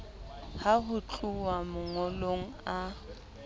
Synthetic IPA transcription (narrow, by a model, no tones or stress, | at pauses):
haɦʊt͡ɬʼuwamʊŋɔloŋ̩a